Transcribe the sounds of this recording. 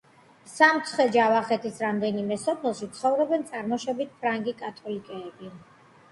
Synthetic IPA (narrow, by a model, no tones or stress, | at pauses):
samt̪sʰχwɛd͡ʒavaχɛt̪ʰisɾamd̪ɛnimɛsɔpʰɛlˠʃit̪sʰχɔvɾɔbɛnt̪sʼaɾmɔʃɛbit̪̚ʰpʰɾaŋɡikʼat̪ʼʰɔlikʼɛːbi